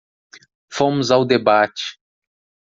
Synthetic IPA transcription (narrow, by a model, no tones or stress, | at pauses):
fõmʊzawd̪ebat͡ʃɪ̥